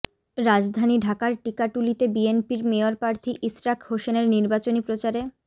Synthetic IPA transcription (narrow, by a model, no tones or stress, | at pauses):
ɾad͡ʑd̪ʱaniɖʱakaɾʈikaʈulit̪ebienpiɾmeoɾpɾaɾt̪ʰiʔisɾakʰhoʃeneɾniɾbat͡ɕonipɾot͡ɕaɾe